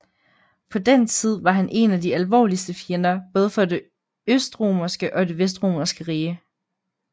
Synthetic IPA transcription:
pʰɒ̽d̥ent͡sʰið̞̰ˠʋɑ̈ɦænʔe̝næd̥iælʋɒ̰ːlisd̥əfienɐb̥ɔ̽ːð̞ˠəfɒ̽d̥e̝ | øsd̥ʁo̝̰mɐsɡ̥əʔɒ̽d̥e̝ʋes̬d̥ʁo̝̰ːmɐsɡ̥əʁiːə

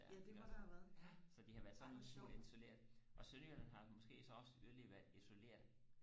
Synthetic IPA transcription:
d̥eɑd̥hæʋæɐð̩ˠsɒ̽d̥ihɑ̈ʋæːɐðˠsɒ̽nʋeiso̝le̝̰ɐ̰dˠʔɒ̽søljɐnənɦɑ̈mɒ̽sɡ̥e̝̰ːsɒ̽ɒ̽səyliʋæɐdˠiso̝le̝̰ɐ̰d̥

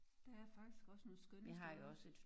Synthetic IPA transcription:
d̥ɑ̈æɐfɑ̈ɡ̥d̥isɡ̥ɒ̽sənɔ̽ːðˠsɡ̥ønɦɑ̈joɒ̽səe̝d̥f

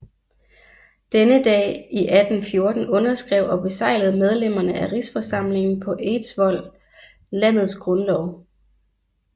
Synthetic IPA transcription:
d̥enəd̥ɛ̰ːiʔæd̥n̩fjo̝ɐd̥n̩ɔ̽nɐsɡ̥ʁɛʊɒ̽b̥e̝sɑ̈ɪləð̞̩ˠmeð̞ˠlem̰ɐnəʔæʁisfɒ̽sɑ̈m̰le̝ŋn̩pʰɒ̽ʔe̝d̥sʋɒ̽l̰ | læn̰ð̞̩ˠsɡ̥ʁɔ̽nlɒʊ

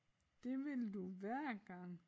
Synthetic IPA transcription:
d̥e̝ʋe̝lduʋæɐ̰ɡ̥ɑ̈ŋ̰

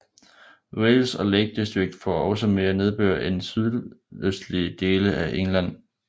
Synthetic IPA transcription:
welsɒ̽leɡ̥̚d̥esd̥ʁeɡ̥̚d̥fɒʔɒ̽səme̝ːɐne̝ð̞ˠb̥ø̰ːɐʔensyð̞ˠøsd̥liəd̥e̝ːləʔæʔeŋlæn̰

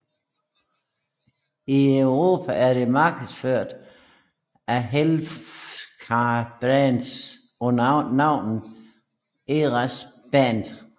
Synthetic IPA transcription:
iœʊʁo̝ːpʰæʔæɐɾ̥e̝mɑ̈ːɡ̥əðˠsføɐ̰d̥ | æɦel | kʰɑb̥ʁænd̥s | ɔɑ̈ʊ̰nn̩ | eʁɑsb̥ænd̥

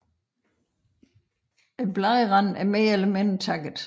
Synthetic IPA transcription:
e̥b̥lɑðˠʁɑnæɐmeːeləment͡sʰɑɡ̥əð̩ˠ

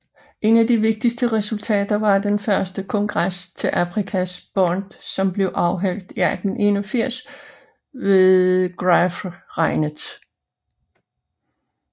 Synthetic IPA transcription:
ʔe̝næd̥iʋe̝ɡ̥̚d̥isd̥əʁɛsult͡sʰɛ̰ːd̥ɐʋɑ̈d̥enfɶɐsd̥əkʰɒ̽ŋɡ̥ʁast͡sʰe̝lʔæfʁikʰæsb̥ɒnd̥sɒ̽mb̥le̝ʊʔɑ̈ʊɦæl̰d̥iæd̥n̩ʔe̝nɒfiɐ̰s | ʋe̝ðˠɡ̥ʁafʁɑ̈ɪnə

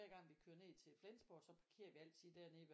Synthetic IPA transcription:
æɐɡ̥ɑ̈ŋ̰ʋikʰøːɐne̝ðt͡sʰe̝lflensb̥ɒːd̥sɒ̽pʰɑ̈kʰe̝̰ːɐʋiæl̰t͡sʰið̩̰ˠd̥æɐne̝ʋ

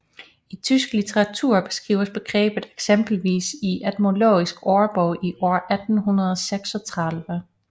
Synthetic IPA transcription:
it͡sʰysɡ̥lit͡sʰeʁɑ̈t͡sʰuːɐ̰b̥e̝̥sɡ̥ʁḭːʊɐsb̥e̝ɡ̥ʁɛ̰ːb̥ð̩ˠeɡ̥semb̥l̩ʋḭːsiʔæd̥mo̝lo̰ːisɡ̥ɒːɐb̥ɔʊʔiʔɒ̰ːʔæd̥n̩ɦunɐðˠɒseɡ̥sɒ̽t͡sʰʁɑlˠʋə

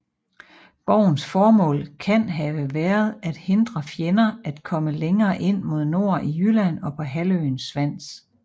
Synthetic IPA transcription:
b̥ɒʊ̰n̩sfɒːmɔ̰̽ːlkʰænɦæəʋæːɐð̞ˠæd̥he̝nd̥ʁɐfjenɐæd̥kʰɒ̽məleŋɐːʔe̝n̰mo̝ð̞ˠno̝ːɐ̰ʔijylæn̰ɒ̽pʰɒ̽ɦæløːnsʋæn̰s

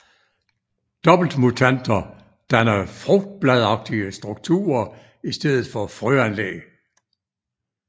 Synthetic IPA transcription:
d̥ɒ̽b̥l̩d̥mut͡sʰæn̰d̥ɐ | d̥ænɐfʁɔɡ̥̚d̥̚b̥læð̞ˠɑ̈ɡ̥̚d̥iəsd̥ʁuɡ̥̚t͡sʰṵːɐ | isd̥eð̰ˠð̩ˠfɒ̽fʁyænlḛ

